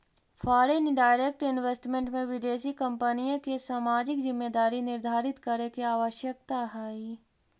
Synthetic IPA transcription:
fʰaːɾenɖaːɪɾeːk̚ʈɪnʋesʈmẽɳʈmẽʋɪd̪eːʃikə̃mpənijõkesaːmaːd͡ʒɪkzɪmːed̪aːɾinɪɾd̪ʱaːɾɪt̪kəɾekeaːʋəʃjək̚t̪aɦaːi

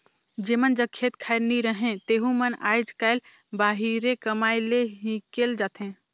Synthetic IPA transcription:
d͡ʒemənd͡ʒəkʰet̪kʰajɾniɾəɦẽt̪eɦũməna̰jd͡ʒkaɪl | baɦiɾekəmajleɦĩkeld͡ʒat̪ɦẽ

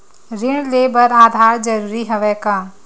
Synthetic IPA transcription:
ɾɪɳ̃leːbəɾaːd̪ʱaːɾd͡ʒəɾuːɾiɦɐʋɛːkaː

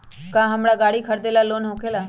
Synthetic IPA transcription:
kãːɦəmɽaɡaːɽikʰəɾd̪eːlaloːnɦõːkʰelaː

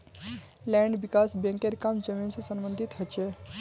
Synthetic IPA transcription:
lɛ̃ːɳɖʋikaːsbẽŋkeɾkamd͡ʒəmiːnsesəmbənd̪ʱit̪ɦət͡ʃe

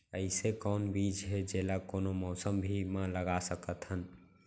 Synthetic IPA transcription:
əɪsekɔːnbid͡ʒɦed͡ʒelakonomɔːsəmbʱimãləɡasəkət̪ɦən

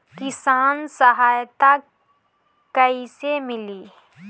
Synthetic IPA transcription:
kɪsaːnsəɦaːjt̪a | kɐisemɪliː

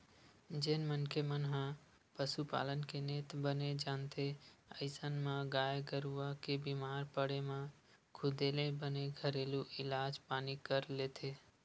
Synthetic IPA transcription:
d͡ʒeːnmənkemənɦã | pəsupa̰ːlənkeneːt̪bəned͡ʒaːnt̪ʰeəɪsənmãɡaːjeɡəɾuakebiːmaːɾpəɽemã | kʰʊd̪eːlẽbəneɡʱəɾeːluʔɪlaːd͡ʒpaːnikəɾleːt̪ʰeː

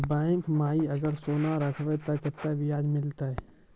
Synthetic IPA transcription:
bɛ̃ːŋkmaːiəɡəɾsoːnaɾəkʰʋet̪əkɪt̪ːaʋɪjaːd͡ʒmɪlt̪aɦɛ

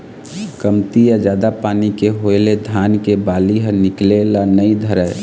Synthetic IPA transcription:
kəmt̪ijad͡ʒjaːd̪apaːnikeɦoeled̪ʱaːnkebaːliɦənɪklelanəĩd̪ʱəɾə

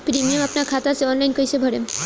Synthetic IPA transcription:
pɾimijomapnaɾkʰat̪aseɔnlajnkojsʰebʱɔɽem

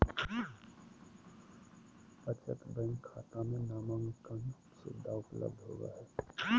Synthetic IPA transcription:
bət͡ʃə̰t̪bə̃ŋɡkʰːa̰ːt̪amẽnaːmə̃ŋɡkəŋ | sɪ̰d̪ʱːaʊplə̰b̚d̪ʱɦo̰ːɡa̰ɦɛː

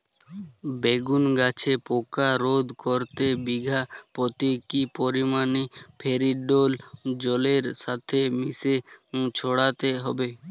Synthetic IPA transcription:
beɡunɡat͡ɕʰepokaɾod̪koɾt̪ebiɡʱapɾot̪ikipoɾimanipʰeɾiɖold͡ʑɔleɾʃat̪ʰemiset͡ɕʰoɽat̪eɦɔbe

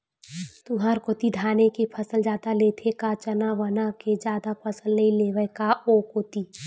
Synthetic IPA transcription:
t̪uɦaɾkot̪id̪ʱaːnekepʰəsəld͡ʒaːd̪aleːt̪ʰekat͡ʃənaʋənaked͡ʒjaːd̪apʰəsəlnəĩleːʋəkaokoːt̪iː

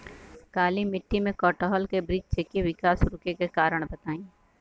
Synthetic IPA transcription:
kaːlimɪʈʰːimẽkɔːʈɔːɦɔlkebɾɪːd͡ʒt͡ʃekeʋɪkaːsɾʊkekekaːɾəɽ̃bɐt̪aːĩː

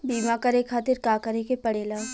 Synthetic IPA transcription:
biːmakaɾeːkʰaːt̪ɪɾkaːkɐɾekepɐɽeːlaː

